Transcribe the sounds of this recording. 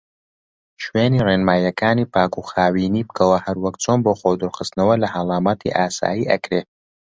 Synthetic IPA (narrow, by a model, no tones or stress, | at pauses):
ʃweːniːreːnmaːjɐkʰaːniːpaːkuxaːwiːniːbkʰɐwɐhɐɾwɐkt͡sʰoːnboːxod̪ɨɾxɨst̪nɐwɐlɐhɑlˠɑːmaːt̪ʰḭʔaːsa̰ːjiːʔɐ̰kɾeː